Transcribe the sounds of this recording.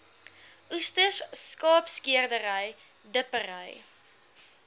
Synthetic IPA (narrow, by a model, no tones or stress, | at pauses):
ustəsskɑːpskiərdəɾəj | dəpəɾəj